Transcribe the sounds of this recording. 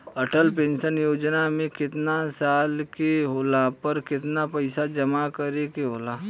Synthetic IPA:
ɐʈəlpẽːnʃənjoːd͡ʒnamẽkɪt̪nasaːlkeɦoːlapɐɾkɪt̪napɐɪsad͡ʒɐmakɐɾekeɦoːlaː

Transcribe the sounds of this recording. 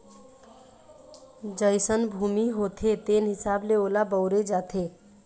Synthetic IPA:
d͡ʒəɪsənbʱumiɦot̪ʰet̪enɦɪsableoːlabəʊɾed͡ʒat̪ʰe

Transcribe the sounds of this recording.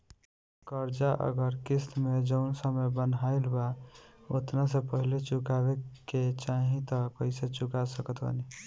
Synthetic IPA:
kəɾd͡ʒaʔə̰ɡəɾkist̪med͡ʒəʊnsəməbənɦaɪlbao̰t̪nasepəɦilet͡ʃukabeket͡ʃaɦĩt̪əkəɪset͡ʃukasəkət̪ʰbə̰ni

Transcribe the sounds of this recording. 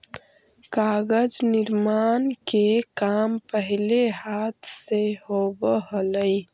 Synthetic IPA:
kaːɡəd͡ʒnɪɾmaːnkekaːmpəɦleɦaːt̪ʰseɦobəɦələi

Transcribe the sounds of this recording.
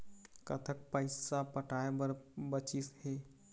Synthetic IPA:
kɐ̰t̪ʰək̚pəɪsapəʈaːebəɾbət͡ʃisheː

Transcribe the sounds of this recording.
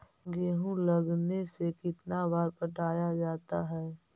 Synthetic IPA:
ɡeːɦũlɐɡnesekɪt̪nabaːɾpəʈʰaːjad͡ʒaːt̪aɦɛː

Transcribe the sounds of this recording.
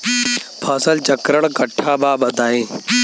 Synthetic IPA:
pʰaːsɐlt͡ʃɐkɾəɽ̃kɐʈʰːaːbaːbɐd̪aːẽː

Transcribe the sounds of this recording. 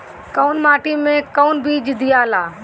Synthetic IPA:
kəʊnmaːʈimẽkəʊnbiːd͡ʒd̪ɪjaːlaː

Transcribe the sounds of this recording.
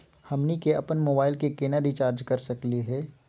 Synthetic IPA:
hɐmnikeɐpənmoːbaːɪlkekeːnaɾit͡ʃaːɾd͡ʒkɐɾsɐkliɦɛː

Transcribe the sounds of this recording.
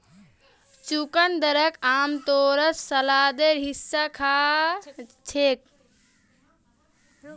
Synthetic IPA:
t͡ʃukənd̪əɾəkamt̪oɾəssəlad̪eɾɦisːakʰa | t͡ʃʰek̚

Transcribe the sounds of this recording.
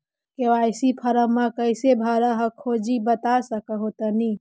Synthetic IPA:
keʋaːjsipʰɐɾəmːãkəɪsebʱaɾəɦəkʰoːd͡ʒibət̪asəkəɦot̪əni

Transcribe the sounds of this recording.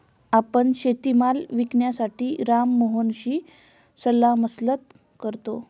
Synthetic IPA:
apəɳɕet̪imalʋikɳjasaʈiːɾamːoɦonɕiː | səlːaməslət̪ | kəɾt̪o

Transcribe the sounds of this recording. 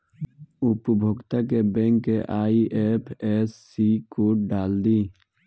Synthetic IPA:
ʊpəbʱoɡt̪akebɛ̃ːŋkːeʔaːiʔeːpʰeːsːikoːʈɖaːld̪iː

